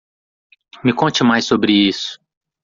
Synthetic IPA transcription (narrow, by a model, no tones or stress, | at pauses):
mɪkõt͡ʃɪmajsːobɾɪisʊ̥